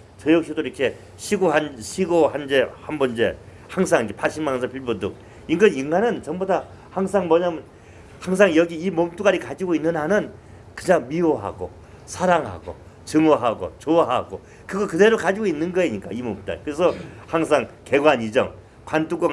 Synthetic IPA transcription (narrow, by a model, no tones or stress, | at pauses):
t͡ɕʌjʌk̚ɕʰidoiɾʌkʰe̞ | ɕʰiɡoɦanɕʰiɡohand͡ʑe̞hambond͡ʑe̞ | haŋs̬ʰaŋikʰepaɕ͈ʰimanhansapʰiɭbudṵk̚ | iŋɡʌniŋɡanɯnt͡ɕʌŋboda | haŋs̬ʰaŋmʌɲamɯn | haŋs̬ʰaŋjʌɡiːmomt͈uɡaɾikad͡ʑiɡoinːɯnɦanɯn | kɯɲaŋmioɦa̰ɡo̰ | sʰaɾaŋɦa̰ɡo̰ | t͡ɕɯŋoɦaɡo̰t͡ɕoɦaɡo | kɯɡʌkɯde̞ɾokad͡ʑiɡoinːɯnɡʌeɲik͈a̰imomtuɡa̰ɾikɯɾe̞sʰʌhaŋs̬ʰaŋke̞ɡwaɲid͡ʑʌŋ | kwant͈ʰukʌŋ